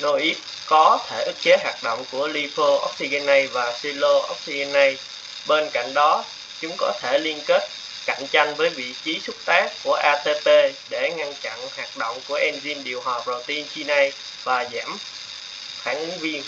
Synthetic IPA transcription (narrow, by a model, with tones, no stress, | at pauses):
no˧ʔi˦˥t̚ | kɔ˨˦t̪ʰe˧˩ʔɨ˦˥k̚t͡ɕe˨˦ɦaː˨˩k̚ɗo̰˧˨wŋ͡mku˧˩əli˧fo˧ʔɔ˦˥k̚si˧ɣɛ˧nːa˧jvaː˨˩si˧lo˧ʔɔ˦˥wk͡p̚si˧ɣɛ˧nːa˧j | ɓe˧nka̰˧˨jŋ̟ɗɔ˨˦ | t͡ɕʊ˨˦ŋ͡mkɔ˨˦t̪ʰe˧˩li˧ənke˦˥t̚ | ka̰˧˨jŋ̟t͡ɕa˧jŋ̟vəː˨˦jvḭ˧˨t͡ɕi˨˦sʊ˦˥k͡p̚t̪aː˦˥kku˧˩əʔaː˧t̪e˧pe˧ɗe˧˩ŋa˧nt͡ɕa̰˧˨nhaː˨˩k̚ɗo̰˧˨wŋ͡mku˧˩əʔɛ˧nzi˧nɗi˨˩əwɦwaː˨˩p̚zɔ˨˩t̪i˧nt͡ɕi˧na˧j | vaː˨˩zɛ˧˩m | xaː˧˩ŋʔɨ˨˦ŋvi˧ən